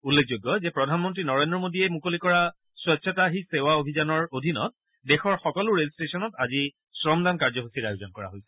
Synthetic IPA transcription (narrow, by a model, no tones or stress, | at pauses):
ulːekʰzoɡːɔzɛpɹɔdʱanmɔntɹinɔɹendɹɔmodiɛmukolikɔɹa | swɔsʰɔtaɦisewaobʱizanɔɹodʱinɔ̰t̚ | dɛxɔɹxɔkɔlʊɹelstesɔnɔtazi | sɹɔmdankaɹzɔɦosiɾajʊzɔnkɔɹa̰ɦojsɛ̥